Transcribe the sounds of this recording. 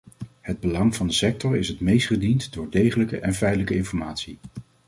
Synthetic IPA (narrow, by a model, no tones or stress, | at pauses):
ɦəd̚bəlɑŋv̥ɑndəsɛk̚tɔɹɪsɦətmejstχədintdʊːɹdejχələkə̰ʔɛnfɛjtələkəɪnfɔɹmaːtsi